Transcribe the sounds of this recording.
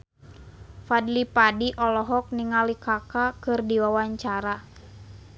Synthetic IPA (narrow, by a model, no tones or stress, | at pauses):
fadlipadiʔɔlɔɦɔk̚niŋalikakakɨrdiwawaɲt͡ʃaɾa